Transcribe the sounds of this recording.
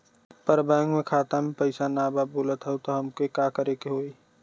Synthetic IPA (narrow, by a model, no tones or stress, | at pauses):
pəɾbɛ̃ːŋɡmẽkʰaːt̪amẽpəɪsanaːbaboːlət̪ɦɛut̪oɦɐmkekakəɾekeɦoːiː